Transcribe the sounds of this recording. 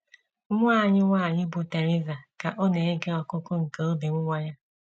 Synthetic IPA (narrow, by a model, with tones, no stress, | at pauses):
mʷʊ˦a˦˨ɲɪ˦ŋʷa˦˨ɲɪ˦bʊ˨te˨ɾi˦va˨ka˨ʔo˦ne˨e˦ɡe˦ɔ˨kʊ˦kʊ˦ŋ̩˨ke˦o˦bi˨ŋʷʊ˦ŋʷa˦ɲa˦